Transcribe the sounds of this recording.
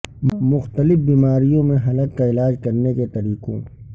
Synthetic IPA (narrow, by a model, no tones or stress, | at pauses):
mʊxt̪əlɪfbiːmaːɾijõmẽɦɐləkːaɪlaːd͡ʒkɐɾneket̪ɐɾiːqõ̰